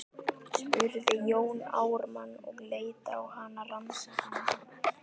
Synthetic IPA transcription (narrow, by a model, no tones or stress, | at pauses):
ʏɾðɪjoːwna̰ːwɾmanːɔ̰ɣleːjt̪a̰ːwhaːnaransaana